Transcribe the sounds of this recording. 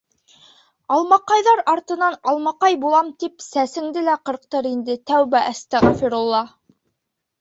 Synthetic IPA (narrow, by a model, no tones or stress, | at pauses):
ɑlˠmɑqɑjðɑɾɑɾt̪ɤ̆nɑnɑlˠmɑqɑjbulˠɑmt̪ipsæsɘ̆ŋd̪ɘlæqɤ̆ɾq̚t̪ɤɾind̪ɘt̪æwbæʔæst̪æʁɑfiɾolˠːɑ